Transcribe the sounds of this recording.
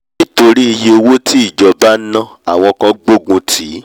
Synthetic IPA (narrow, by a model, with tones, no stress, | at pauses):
nĩ˦to˧ɾi˦i˧je˧o˧wo˦tʰi˦i˦˨d͡ʒɔ˨˧ba˦nã˦˨a˨w̃ɔ̃˧kã˧ɡ͡bo˦ɡũ˧tʰi˨˦